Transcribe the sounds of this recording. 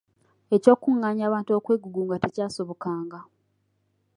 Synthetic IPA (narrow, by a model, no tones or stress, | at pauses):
e̞co̞ːkːuŋːaːɲaːβaːntuo̞kwe̞ːɡuɡuŋɡate̞caːso̞βo̞kaːŋɡa